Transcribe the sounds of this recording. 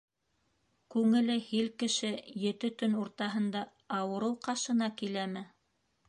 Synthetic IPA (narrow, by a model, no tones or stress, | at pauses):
kʉŋɘ̆lɘhilkɘ̆ʃɘjɘ̆t̪ɘt̪ɵnuɾt̪ɑɦɤ̆nd̪ɑ | ɑwɤ̆ɾɤwqɑʃɤ̆nɑkilæmɘ